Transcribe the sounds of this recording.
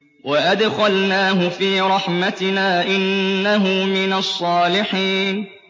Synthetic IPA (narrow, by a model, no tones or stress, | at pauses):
waʔad̪xalnaːɦʊfiːɾˤɑħmat̪ɪnaːʔɪnːaɦʊmɪnasˤːɑːlɪħiːn